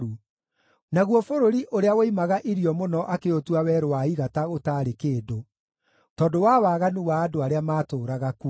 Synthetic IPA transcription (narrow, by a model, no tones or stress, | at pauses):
u | naɣwɔfoɾoɾiʔoɾeawoimaɣaʔiɾiɔmonɔʔakeotuawɛɾowaiɣataɣotaːɾekeːdo | tɔːdowawaɣanuwaːdoaɾeamaːtoːɾaɣaku